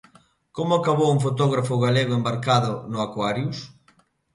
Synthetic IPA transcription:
komʊakaβowuŋf̬ot̪ɔɣɾafʊɣaleɣʊembaɾkaðʊnʊakwaɾjus

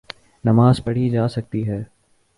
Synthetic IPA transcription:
nɐmaːzpɐɽ̤id͡ʒaːsɐk̚t̪iɦɛː

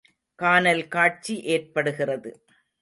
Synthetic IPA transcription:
kaːnɐlkaːʈ̚t͡ʃiʔeːrpɐɽɯɣɪrɐðɯ̰

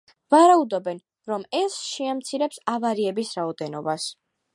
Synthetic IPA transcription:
vaɾaud̪ɔbɛn | ɾɔmɛsʃɛamt̪sʰiɾɛpsavaɾiɛbisɾaɔd̪ɛnɔbas

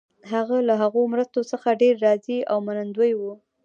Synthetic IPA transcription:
ɦaɣalaɦaɣomɾəst̪osəxaɖeɾːɑzia̰wmanand̪wəjwu

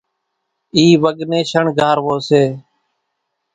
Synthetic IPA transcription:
iːʋəɡnẽːʃəɳɡʱaːɾʋoːseː

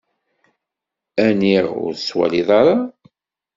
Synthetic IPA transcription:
æniʁʊ̰ɾswæ̰liðˤɑɾˤɑ

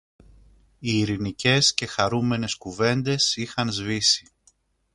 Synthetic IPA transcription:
iːɾinice̞sce̞xɐɾume̞ne̞skuve̞nd̪e̞sixɐnzvisi̥

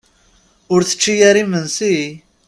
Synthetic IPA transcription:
ʊɾθə̥t͡ʃːijaɾimənsi

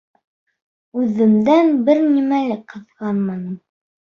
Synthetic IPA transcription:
ʉðɘ̆md̪ænbɘɾnimælɘkqɤ̆ðʁɑnmɑnɤm

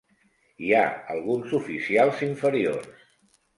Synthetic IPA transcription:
ia̰ə̰lˠɣunzufisialˠziɱfəɾiors

